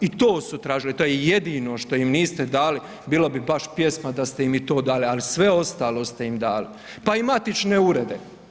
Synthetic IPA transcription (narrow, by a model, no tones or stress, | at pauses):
it̪oːsut̪ɾaːʒilit̪o̞ːjeje̞d̪iːno̞ʃt̪o̞imniːst̪e̞d̪aːli | biːlobibaʃpje̞smad̪ast̪ejimit̪o̞ːd̪aːlialisʋe̞o̞st̪aːlo̞st̪e̞imd̪aːli | paimat̪it͡ʃne̞uɾe̞d̪e